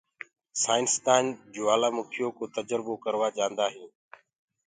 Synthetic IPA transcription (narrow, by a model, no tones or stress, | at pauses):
saːɪnst̪aːnd͡ʒoːaːlaːmʊkʰɪjoːkoːt̪əd͡ʒɾboːkəɾʋaːd͡ʒãːnd̪aːɦĩː